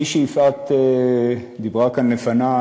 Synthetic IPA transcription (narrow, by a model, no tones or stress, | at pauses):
iʃijifat̪e | d̪ibʁakanlefana